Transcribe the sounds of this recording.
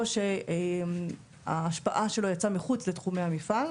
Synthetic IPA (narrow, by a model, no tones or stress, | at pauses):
oʃe | a̰ːʃpaʔaʃe̞lo̞jat͡samiχut͡slet̪χumeamifal